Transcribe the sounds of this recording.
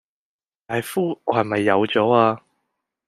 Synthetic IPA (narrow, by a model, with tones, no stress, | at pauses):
aː˨jfuː˥ɔ˨˧hɐ˨jmɐ˨jːɐ˨˧wt͡sɔː˨˥aː˧